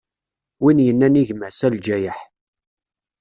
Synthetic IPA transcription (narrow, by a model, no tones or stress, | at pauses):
winjənːæniʝməʕsæld͡ʒæjəħ